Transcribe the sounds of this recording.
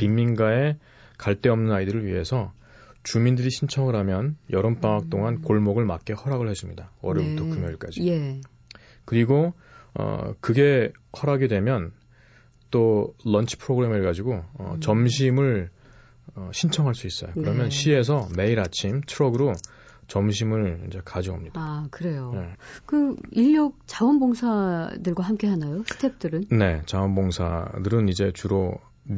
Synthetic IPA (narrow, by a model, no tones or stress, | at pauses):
pimːinɡae̞ | kaɭt͈e̞ʌmnɯnaidɯɾɯɭɥiɦe̞sʰʌ | t͡ɕumindɯɾiɕʰint͡ɕʰʌŋɯɾɦamjʌnjʔʌɾɯmp͈aŋak̚t͈oŋankoɭmoɡɯɭmak͈̚ehʌɾaɡɯɭhes͈ɯmɲidaʌ̰ɾɯputʰokʰɯmjʌiɭk͈a̰d͡ʑi | kɯɾiɡo | ʌ̰kɯɡe̞ | hʌɾaɡedwe̞mjʌn | t͈olʌnt͡ɕʰi̥pʰɯɾoɡɯɾe̞meɭɡad͡ʑiɡoʌ̰t͡ɕʌmɕʰimɯɭ | ʌɕʰint͡ɕʰʌŋɦaɭs͈uis͈ʌjokkɯɾʌmjʌnɕʰie̞s̬ʰʌme̞iɾat͡ɕʰimtʰɯɾʌɡɯɾo | t͡ɕʌmɕ̬ʰimɯɭid͡ʑe̞kad͡ʑiɡoomɲidaakɯɾe̞jonekɯiʎːok̚t͡ɕawʌnboŋsʰadɯɭɡwaɦamk͈e̞ɦanajosʰɯtʰep̚t͈ɯɾɯnne̞t͡ɕaʌnboŋsʰa̰dɯɾɯnid͡ʑe̞t͡ɕuɾo